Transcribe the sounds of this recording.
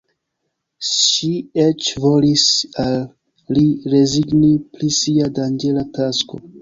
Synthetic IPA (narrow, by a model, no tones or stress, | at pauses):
ʃiet͡ʃvo̞lisalː | iɾe̞ziɡniplisiadand͡ʒe̞latasko̞̰